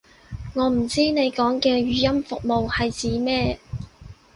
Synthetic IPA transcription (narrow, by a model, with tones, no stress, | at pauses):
ŋɔː˨˧m̩˨˩t͡siː˥ne˨˧jkɔː˨˥ŋkɛː˧ɥyː˨˧jɐ˥mfʊ˨k̚mo˨whɐ˨jt͡siː˨˥mɛː˥